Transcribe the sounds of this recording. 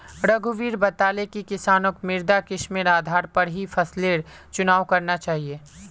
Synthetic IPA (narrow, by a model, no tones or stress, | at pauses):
ɾɐɡʱuʋiːɾbɐt̪aːlekikɪsaːnokmɪɾd̪akɪʃmiːɾaːd̪ʱaːɾpɐɾɦifʰɐsleːɾ | t͡ʃʊnaːʋkɐɾnat͡ʃaːɦieː